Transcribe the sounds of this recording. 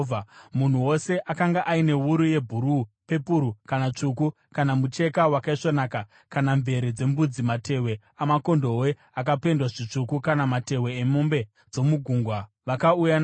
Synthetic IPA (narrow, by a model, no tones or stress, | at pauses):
mun̤uwo̞se̞ʔakaŋɡaʔaine̞wuɾuje̞bʱuɾupe̞puɾukanat͡ʂuku | kanamut͡ʃe̞kawakaiʂonaːka | kanaɱve̞ɾed͡ze̞mbud͡zimate̞we̞ | amako̞ndo̞we̞ | ak̬ape̞ndwaʐit͡ʂukukanamate̞weːmombe̞ | d͡zo̞muɡʱuːŋɡwa | ʋakauja